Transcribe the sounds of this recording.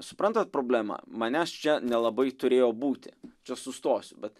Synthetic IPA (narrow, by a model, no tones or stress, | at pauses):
sʊpɾɐnt̪ɐt̪̚pɾoːbʲlʲæmɐ̰mɐnʲæst͡ʃʲɛnʲɛlˠɐbɐɪt̪ʊɾʲeːjoːbuːt̪ʲɪt͡ʃʲɛsʊst̪oːsʲʊbʲɛt̪